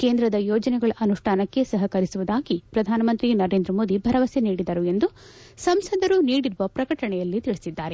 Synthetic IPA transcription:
keːnd̪ɾɐd̪ɐjɔːd͡ʒɐnɛɡɐɭɐʔɐnuʂʈʰaːnɐkːe̞sɐɦɐkɐɾisuʋud̪aːɡipɾɐd̪ʱaːnɐmɐnt̪ɾinɐɾe̞ːnd̪ɾɐmoːd̪ibʱɐɾɐʋɐseniːɽid̪ɐɾue̞nd̪u | sɐmsɐd̪ɐɾuniːɽiɾuʋɐpɾɐkɐʈɐɳɛjɐlːit̪iɭisid̪ːaːɾe

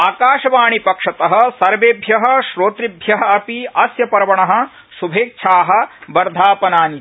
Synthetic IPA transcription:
aːkaːʃɐʋaːɳipɐkʂɐt̪ɐɦɐ̆sɐɾʋeːbʱjɐɦɐ̆ʃɾoːt̪ɾibʱjɐɦɐ̆ɐpiɐsjɐpɐɾɐʋɐɳɐɦɐ̆ | subʱeːk̚t͡ʃʰaːɦɐ̆bɐɾd̪ʱaːpɐnaːni

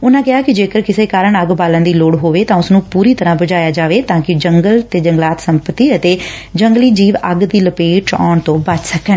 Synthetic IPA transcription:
ʊnãːkɪɦaːkɪd͡ʒeːkəɾkɪseːkaːɾəɳəɡbaːlãːd̪iːloːɽɦoːʋeːt̪ãːʊsnũːpuːɾiːt̪əɾãːbəd͡ʒaːjaːd͡ʒaːʋeːt̪ãːkɪd͡ʒəŋɡəlt̪eːd͡ʒəŋɡlaːt̪səmpət̪iːət̪eː | d͡ʒəŋɡliːd͡ʒiːʋəɡd̪iːləpeːʈʰɔ̰ːɳt̪õːbət͡ʃsəkəɳ

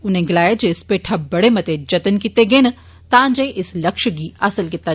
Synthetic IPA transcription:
ʊnẽɡɪlaːjad͡ʒeɪspeːʈʰabɐɽemɐt̪ed͡ʒɐt̪ənkit̪eɡeːnə | t̪ãːnd͡ʒeʔɪsləkʃɡiəsəlkɪt̪ːa

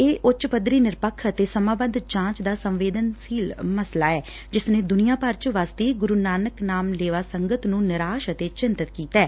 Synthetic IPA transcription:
eːʔʊt͡ʃpəd̪ɾiːnɪɾpəkʰːət̪eːsəmãːbəd̪d͡ʒãːt͡ʃd̪aːsəmʋeːd̪ənsiːlməslaːɛː | d͡ʒɪsnẽːd̪ʊnijãːpəɾt͡ʃʋaːst̪iːɡʊɾuːnaːnəknaːmleːʋaːsəŋɡət̪nũːnɪɾaːʃət̪eːt͡ʃɪnt̪ət̪kiːt̪ɛː

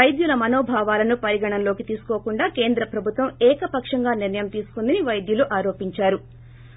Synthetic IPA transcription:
ɐjd̪julɐmɐnoːbʱaːʋaːlɐnupɐɾiɡɐɳɐnlo̞ːkit̪iːsu̥koːkuɳɖaːke̞ːnd̪ɾɐpɾɐbʱut̪ʋɐmɛːkɐpɐkʂɐŋɡaːniɾnɐjɐmt̪iːsu̥kund̪ɐniʋɐjd̪juluʔaːɾo̞ːpiɲt͡ʃaːɾu

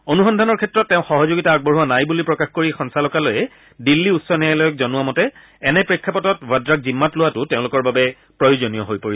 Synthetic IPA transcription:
onuxɔndʱanɔɹkʰɛtɹɔtːɛʊ̃xɔɦɔzoɡitaːɡ̚bɔɹɦuwanajbulipɹɔkaxkoɹixɔnsalɔkalojɛ | dilːiutsɔnɛjajlɔjɔk̚zɔnʊwamɔtɛ | ɛnɛpɹikʰːapɔtɔtbadɹak̚zimːatlʊwatʊteʊ̃lʊkɔɹbabɛ | pɹɔjozonijɔɦojpoɹi

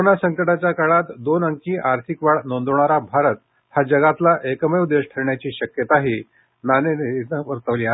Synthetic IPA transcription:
onasəŋkəʈat͡ɕjakaɭat̪d̪onəŋkiːʔaɾt̪ʰikʋaɭnond̪ʋɳ̃aɾabʱaɾət̪̚ | had͡ʑəɡat̪laʔekəmeud̪eɕʈʰəɾɳjat͡ɕiːɕəkjət̪aɦiː | naneneəʋəɾt̪əʋliːa

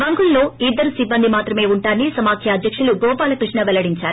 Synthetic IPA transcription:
ɐŋɡulːo̞ːid̪ːɐɾusibːɐnd̪imaːt̪ɾɐme̞ːuɳʈaːnisɐmaːkʰjɐɐd̪jɐkʂuluɡɔːpaːlɐkɾiʂɳɐʋɛlɐɽiɲt͡ʃaːɾu

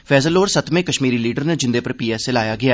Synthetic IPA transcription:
fɛːzəloːɾsət̪ʰmẽːkəʃmiːɾiːliːɖəɾned͡ʒɪ̃nd̪eːpəɾpiːaːsɪlaːjaːɡɪaː

